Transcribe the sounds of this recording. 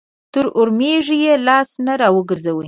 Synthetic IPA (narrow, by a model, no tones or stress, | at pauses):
t̪ʊɾʔʊɾmeʒijelɑsnaɾɑwəɡəɾzawə